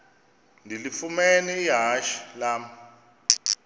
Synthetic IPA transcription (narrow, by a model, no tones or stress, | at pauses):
ndʱilifumɛnɛiɦaʃi̥laːm̩